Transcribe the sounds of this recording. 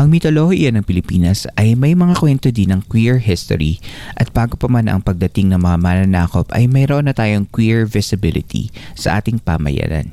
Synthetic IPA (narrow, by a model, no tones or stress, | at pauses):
ʔɐŋmɪt̪olohjɐnɐŋpɪlɪpiːnɐsɐjmɐjmɐŋakwɛnt̪od̪inɐŋkwiɹɦɪst̪o̰ɾiʔɐt̪̚baːɡopɐmanɐ̰ŋpɐɡ̚d̪ɐt̪ɪŋnɐŋmɐŋamanɐnaːko̞pʔɐ̰jmɐjɾoʔonːɐt̪aːjoŋkwiɹvɪsɪbɪlɪ̰t̪ʰḭsɐ̰ʔa̰ːt̪ɪŋpa̰mɐ̰ja̰ːnɐ̰n